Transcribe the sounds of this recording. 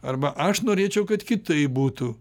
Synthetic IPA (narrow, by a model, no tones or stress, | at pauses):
ɐɾbɐʔɐʃnoːɾʲeːt͡ʃʲɛʊkɐt̪kʲɪt̪ɐɪbuːt̪u